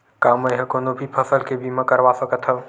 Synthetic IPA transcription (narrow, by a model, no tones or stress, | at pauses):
kaːməɦə̃koːnobʱipʰəsəlkebʱimãkəɾʋasəkət̪ʰə